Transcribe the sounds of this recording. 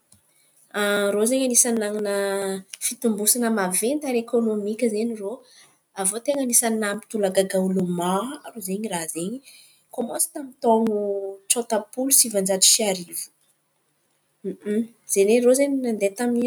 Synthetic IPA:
arozeɲanisanaŋinəfit̪umbusanəmavent̪aɾekonomikʲəzeɲiro | avot̪eŋanisannampi̥t̪ulaɡaɡaulumarozeɲiraɦzeɲi | komosi̥t̪amit̪oŋuʈ͡ʂot̪apulusivand͡ʒat͡si̥ʃiaɾivu̥ | z̥enerozeɲinand̪et̪amni

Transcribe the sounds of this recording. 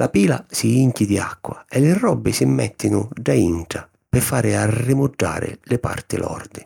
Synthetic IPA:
lʔapiːla̰siiŋcɪd̪ia̰kːwaɛlɪrːɔbːɪsɪmːɛt̪ːɪnʊɖaiɳʈa | pɪfːaːɾɪarːɪmʊd͡ʒːa̰ːɾɪ̰lɪpa̰rt̪ɪlʔɔ̰rd̪ɪ

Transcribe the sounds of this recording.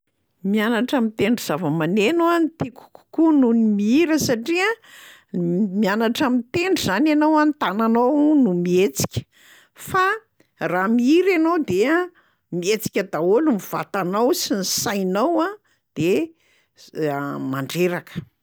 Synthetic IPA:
mianaʈ͡ʂəmit̪eɳɖ͡ʐiz̥avəmanenant̪iku̥ku̥kununimiiɾəsaʈ͡ʂiə | mianaʈ͡ʂamit̪eɳɖ͡ʐizananowant̪ananownumiet͡si̥kʲə̥ | fa | ramiiɾanowd̪ea | miet͡si̥kʲəd̪aolumiv̥a̰t̪anawsinisajnawa | d̪̥e | maɳɖ͡ʐeɾakə̥

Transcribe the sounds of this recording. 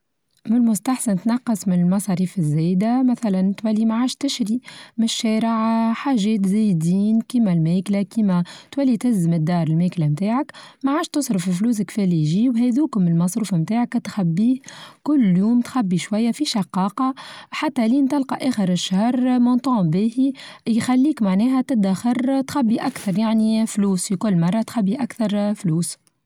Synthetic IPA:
mɪnmʊst̪aħsant̪nɑqːɑsˤmɪnɪlmɑsˤɑɾiːfɪzːɛːd̪amæθælænt̪wælːimaʕaːʃt̪ɪʃɾimɪʃːɛːɾɪʕħaːʒɛːt̪zɛjd̪iːnkiːmælmɛːklakiːmæt̪wælːit̪ɪzəmɪd̪ːɑːɾˤɪlmɛːklamt̪aːʕakmaʕaːʃt̪ʊsˤɾəfɪlfluːs̬ɪkfɛːlijʒiːwɦɛːðuːkʊmɪlmɑsˤɾuːfamt̪aːʕakt̪xæbːiːhkʊlːjuːmt̪xæbːiʃwæjːæfiʃɑqːɑːqɑħat̪ːæliːnt̪ɪlqɑʔɛːxəɾɪʃːahɾˤmont̪ˤɑ̃ːbiːhijxælːiːkmaʕnɛːɦæt̪ɪd̪axɑɾˤt̪xæbːiʔakθɑɾˤjaʕnifluːsfikʊlːmɑrˤːɑt̪xæbːiʔakθɑɾˤfluːs

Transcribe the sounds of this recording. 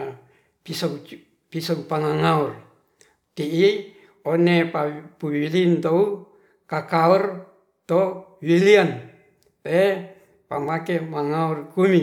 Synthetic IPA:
pisoŋ | pisɔŋpaŋaŋaɔr | t̪iʔi | onepapuwilint̪ou | kakaɔr | t̪owilian | te | pa̰makemaŋaurkumi

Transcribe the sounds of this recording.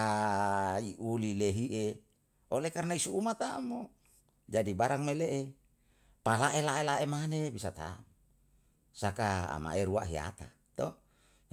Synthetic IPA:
a | iʔulileɦiʔe | olekarnaisuumat̪amo | d͡ʒadibaɾaŋmeleʔe | palaʔelaʔelaʔemanebisat̪a̰m | sakaa̰ma̰eɾuaʔɦia̰t̪a̰ | t̪o

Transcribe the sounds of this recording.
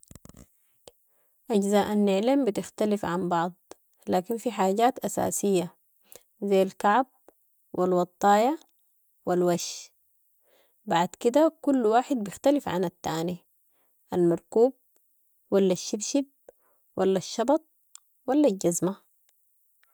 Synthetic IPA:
ʔaɟzaːʔanːɪʕlambit̪ɪxt̪alifʕambɑʕd̪ˤ | laːkinfiħaːɟaːt̪ʔasa̰ːsijːa | zajːalkaʕab̚ | wʔḭlwɑt̪ˤːɑːja | wilwaʃ | baʕd̪kid̪akulːwaːħɪd̪̚bɪxt̪alifʕa̰nat̪ːaːni | ʔalmɑɾˤkuːb̚ | walːaʃːibʃib̪̚ | walːaʃːɑbɑt̪̚ˤ | walːalɟazma

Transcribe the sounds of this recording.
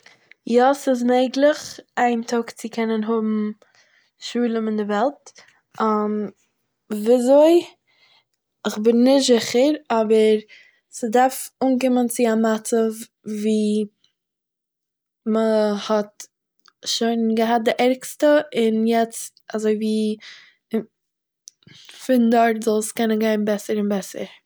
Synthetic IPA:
jɔsɪz̬meɪɡlˠɪχaɪntʰɔkt͡sɪkʰɛnənɦʊbm̩ | ʃuːlˠəmɪndɪvɛlˠt | am | viazoɪ | ɪχbɪnːɪzɪχəɾɔbəɾ | sədaɾfuːnkɪmənt͡sɪamat͡sə | viː | məhɔt | ʃoɪnɡəɦat̚dɪʔɛɾkstəɪnjɛt͡stazoɪviː | fɪndɔɾtzɔlˠskɛnənɡaɪnbɛsəɾɪnbɛsə̰ɾ

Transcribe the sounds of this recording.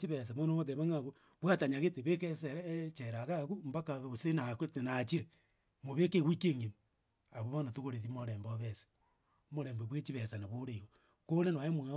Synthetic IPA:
t͡ʃiβes̬amonooðeβaŋaβu | βwataɲaɣeteβekeseɾt͡ʃeɾaɣaɣumbakaɣβosenakwetenat͡ʃiɾe | moβekeɣwikeŋemi | aβoβonatuɣoɾeðimoɾeːmboβesḁ | moɾeːmboβwet͡ʃiβesanaβoɾeiɣo | konenwaemwe

